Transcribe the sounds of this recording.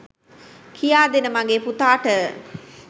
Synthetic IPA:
kʰijaːd̪enəmaŋɡeːput̪aːʈə

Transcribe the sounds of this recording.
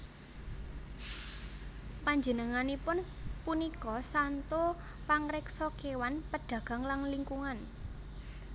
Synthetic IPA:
paɲd͡ʒə̤nəŋanipʊnpunikɔsant̪o | paŋɾɪksokewanpəɖ̥ä̤ɡ̥a̤ŋlaŋliŋkuŋan

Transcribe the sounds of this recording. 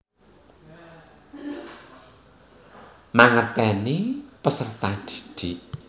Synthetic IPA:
maŋərt̪ɛnipəsərt̪ad̪̥i̥d̪̥iʔ

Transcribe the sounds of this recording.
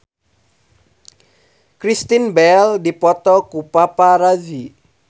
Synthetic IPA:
kɾist̪inbɛldipɔt̪ɔkupapaɾazi

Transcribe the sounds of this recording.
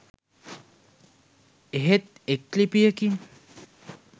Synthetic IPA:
eɦet̪̚ | ek̚lipiəkin

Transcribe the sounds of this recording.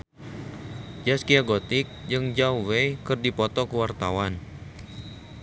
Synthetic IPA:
d͡ʒaskiaɡot̪ɪk̚d͡ʒɨŋd͡ʒauwekɨrdipɔt̪ɔkəwart̪awan

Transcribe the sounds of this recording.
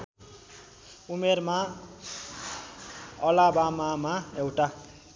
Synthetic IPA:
umerma | ʌlabamamaewʈa

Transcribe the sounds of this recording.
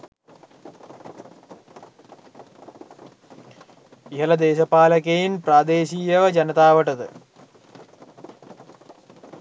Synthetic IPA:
iɦɐlɐd̪eːɕɐpaːlɐkːejimpraːd̪eːɕiːjɐʋɐd͡ʑɐnɐt̪aːʋɐʈːɐðɨ

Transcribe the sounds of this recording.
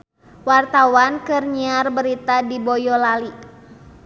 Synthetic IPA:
wart̪awankɨrɲiarbəɾit̪adibɔjɔlali

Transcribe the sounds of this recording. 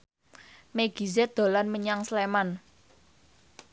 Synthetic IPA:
meɡ̥i̤zɛd̪̥o̤lanməɲaŋsleman

